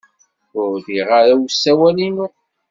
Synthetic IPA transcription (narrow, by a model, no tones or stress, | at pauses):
ʊɾðiʁaɾæwsːæwælinu